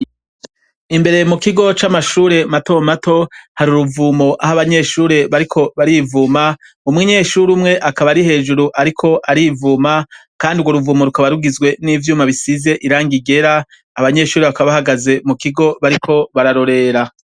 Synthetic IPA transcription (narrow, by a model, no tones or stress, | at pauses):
imbe̞ɾe̞mukiɡo̞t͡ʃamaʃuːɾe̞mato̞mato̞haɾuɾuvuːmoʔahaβaɲe̞ʃuːɾe̞βaɾikʰo̞βaɾivuːma | umŋiɲe̞ʃuɾumŋe̞ʔakaβaɾihe̞ːʒuɾuʔaɾikʰo̞ʔaɾiːvuːmakaːndiuɡwoɾuvuːmoɾukaβaɾuɡizɡwe̞niːvjuːmaβisize̞ʔiɾaːŋɡiɡe̞ɾaː | βaɲe̞ʃuːɾe̞βakaβahaɡaze̞mukiɡo̞βaɾikʰo̞βaɾaɾo̞ɾe̞ɾa